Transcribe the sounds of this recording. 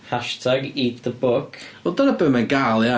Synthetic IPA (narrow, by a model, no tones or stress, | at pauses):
haʃtʰaɡiðəbʊkʰɔdɔnəbəmanɡalˠja